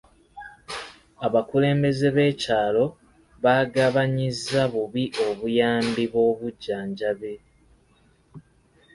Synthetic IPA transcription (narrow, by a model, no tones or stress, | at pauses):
aβakule̞ːmbe̞ze̞βe̞ːcaːlo̞ | βaɡaβaɲizːaβuβiʔo̞βujaːmbiβo̞ːβuɟːaːɲɟaβe̞